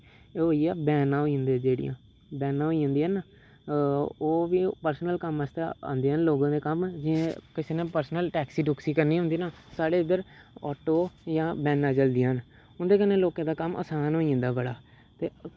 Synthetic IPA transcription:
eːɦoːiːɛːbɛːnãːɦoːiə̃nd̪eːd͡ʒeːɽḭjã̰ː | bɛːnãːɦoːiãːnd̪iːən | oːʋiːpəɾsənəlkəməst̪eã̰ːnd̪eːənloːɡãːd̪eːkəmd͡ʒɪẽːkɪseːnẽːpəɾsnəlʈɛːksiːɖʊksiːkəɾniːɦʊ̃nd̪iːnãː | saːɽeːd̪əɾɔ̰ːʈoːjãːbɛːnãːd͡ʒəld̪ɪjãːn | ʊnd̪eːkənẽːloːkãːd̪aːkəmə̰saːnɦoːiãːnd̪aːbəɽaː | t̪eː

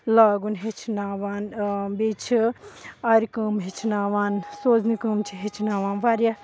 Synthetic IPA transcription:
laːɡunɦet͡ʃʰnaːʋaːnbiːt͡ʃʰiaɾʲikəːmɦet͡ʃʰinaːʋaːnsoːznikəmt͡ʃʰiɦet͡ʃʰinaːʋaːnʋaːɾja

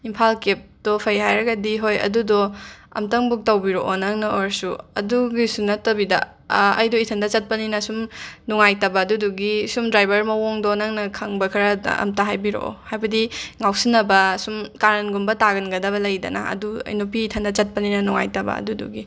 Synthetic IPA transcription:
impʰalkep̚dɔpʰɐjɦajɾɐɡɐdiɦojɐ̰dudɔɐ̰mtɐŋbuk̚tɐwbiɾoʔɔnɐŋnɐoɾsuɐ̰duɡisunɐtɐbidɐ̰ | ɐ̰jdɔitʰɐndɐt͡ʃɐt̚pɐninɐsumnuŋajtɐbɐːduduɡisumdɾajbɐɾmɐwoŋdɔnɐŋnɐkʰɐŋbɐkʰɐɾɐɐ̰mtaɦajbiɾo̰ʔo̰hajbɐdiŋawsinːɐbɐsumkaɾɐnɡumbɐtaɡɐnɡɐdɐβɐlɐjdɐ̰na̰ɐ̰dṵjnupiːtʰɐndɐt͡ʃɐt̚pɐninɐnɔŋa̰jtɐbɐ̰ɐ̰dudṵɡi

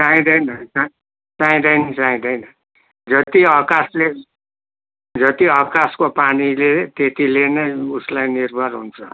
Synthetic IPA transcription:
t͡sãĩdʌjnʌt͡sa | t͡sãĩdʌinʌt͡sãĩdʌinʌ | d͡zʌt̪iʌkasle | d͡zʌt̪iʌkaskopanilet̪et̪ilenʌjuslajnirbʱʌlɦṵnt͡sʰʌ

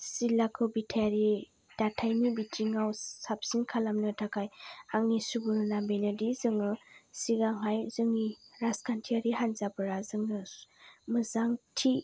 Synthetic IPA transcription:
silakʰɯwbitʰajaɾi | d̥atʰajnibitʰɾiŋawsap̚sinkʰalamnɯtʰakʰajaŋnisubuɾnambenadizɯŋɯsiɡaŋɦajzɯŋiɾaskʰantʰiaɾiɦanzabɯɾazɯŋnɯmɯzaŋtʰi

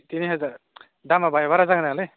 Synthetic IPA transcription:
t̪iniɦʌzaɾ | damabajbaɾazaɡɯnaɡlɯ

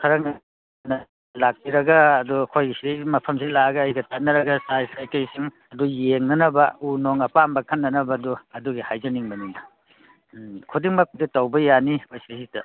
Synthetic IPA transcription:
kʰɐɾɐŋɐ | nɐ | lak̚biɾɐɡɐːduɐkʰojɡisiɾijmɐpʰɐmsilaɐɡɐːjɡɐtʰɐt̚nɐɾɐɡɐsajsajkɐjsiŋ | ɐdujeŋnɐnɐbɐ̰unoŋɐpambɐkʰɐnːɐnɐbɐduɐduɡihajd͡ʒɐniŋbɐniŋnɐ | kʰudiŋmɐkʰuditɐwbɐjaniojsɐsitɐ

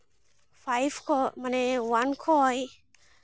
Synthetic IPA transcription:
fajfkʰɔmanewankʰɔj

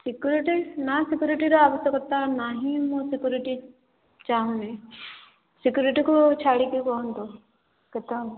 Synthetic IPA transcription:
sɪkjuːɾiʈinasɪkjuːɾiʈiɾaaːʋəst̪jəkːɐɾt̪anaɦĩmõsɪkjuːɾɪʈi | t͡ʃaːɦũnẽ | sɪkjuːɾiʈikot͡ʃʰaːɽikikoɦnt̪o | ket̪am

